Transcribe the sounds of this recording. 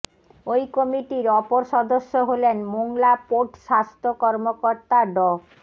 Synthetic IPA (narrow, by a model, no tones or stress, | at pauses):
ojkomiʈiɾɔpoɾʃɔd̪oʃːoɦolenmoŋlapoʈʃast̪ʰokɔɾmokoɾt̪aɖɔ